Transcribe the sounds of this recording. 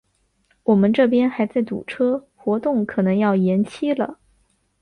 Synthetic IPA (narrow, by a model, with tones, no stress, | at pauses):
wɔ˨˩mə˦nʈ͡ʂɤ˥˩p̬jɛ˥nxa˧˥ɪt͡sa˥˩ɪt̪ṵ˨˩ʈ͡ʂʰɤ˥ | xwɔ˧˥t̪ʊ˥˩ŋkʰɤ˨˩nɤ˧˥ŋjɑ˥˩ʊjɛ˧˥nt͡ɕʰi˥lə̰˨